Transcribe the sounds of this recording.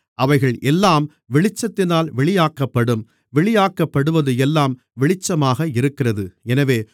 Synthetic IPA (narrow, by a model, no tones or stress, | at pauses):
ʔɐʋɐɪɣɐɭʔɛlːaːm | ʋɪɭɪt͡ʃːɐt̪ːɪnaːlʋɛɭɪjaːkːɐpːɐɽɯm | ʋɛɭɪjaːkːɐpːɐɽɯʋɐðɯɛlːaːm | ʋɪɭɪt͡ʃːɐmaːɣɐɪɾɯkːɪrɐðɯɛnɐʋeː